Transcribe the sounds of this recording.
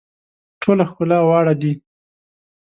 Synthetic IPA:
ʈʰolaxkʊlɑwɑɽad̪i

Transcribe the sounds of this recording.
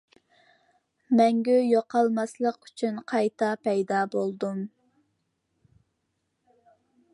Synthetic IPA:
mɛŋɡʲɛjoqʰɑlˠmɑslˠəqyt͡ʃʰynqʰɑjt̪ʰɑpʰɛjd̪ɑːbolˠd̪um

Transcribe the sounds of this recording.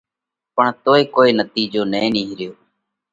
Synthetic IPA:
pəɳt̪oːeːkoːiːnət̪iːd͡ʒoːnẽːniːɦɾɪjoː

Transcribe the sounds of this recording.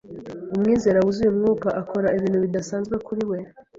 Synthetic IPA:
umŋiːze̞ɾawuzujumŋuːkaʔako̞ɾaiβiːnhuβidasaːnzɡwe̞kuɾiwe̞

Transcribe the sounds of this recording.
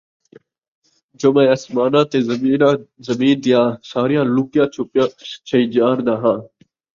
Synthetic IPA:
d͡ʒoːmẽːəsmaːnãːt̪eːiːazəmĩːnd̪ɪjãːsaːɾɪjãːlʊːkɪjãː | t͡ʃʰəiːd͡ʒaːɾd̪aːɦãː

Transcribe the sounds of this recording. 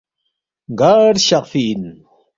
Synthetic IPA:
ɡaːɾɕaqfiːn

